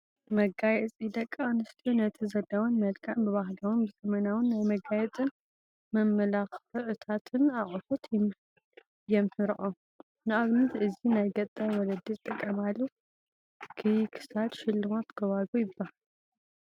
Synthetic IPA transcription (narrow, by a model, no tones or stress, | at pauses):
mɐɡajɛt͡sʼid̪ɐkʼːanɨst̪ʰiunɐt̪ʰizɐd̪awɐnmɐlkʰaʕmbɨβahlawɨnbɨzɐmɐnawɨnːajmɐɡajɛt͡sʼɨn | mɐmːɐlaxɨʕɨt̪ʰat̪ʰɨnaχʼɨfot̪ʰ | jɛmħɨɾɨʔom | nɨʔaβnɨzɨzinajɡɐt̪ʼːɐwɔlɐd̪it̪ʼːɨkʼːɐmalːu | kʰɨkʰɨ̥sad̪ʃɪlːɨmot̪ɡ̥ɐβazujɪbːahal